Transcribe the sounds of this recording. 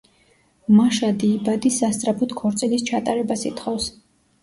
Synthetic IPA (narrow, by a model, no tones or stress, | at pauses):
maʃad̪iːbad̪isast̪sʼɾapʰut̪ʰkʰɔɾt̪sʼilist͡ʃʰat̪ʼaɾɛbasḭt̪ʰχɔfs